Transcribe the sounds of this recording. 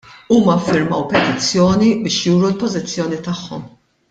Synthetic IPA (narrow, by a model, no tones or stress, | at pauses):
uːmɐɐfːɪɾmɐwpɛt̪ɪt͡sːjɔːnibɪːʃjuːɾulpɔzɪt͡sːjɔːnit̪ɐħːɔ̰m